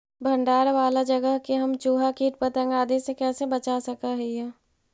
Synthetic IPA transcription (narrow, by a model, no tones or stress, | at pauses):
bʱɐ̃ɳɖaːɾʋaːlad͡ʒɐɡəɦkeɦɐmt͡ʃuːɦakiːʈpɐt̪ə̃ŋɡaːd̪esekɛːsebɐt͡ʃasɐkaɦɛjɛː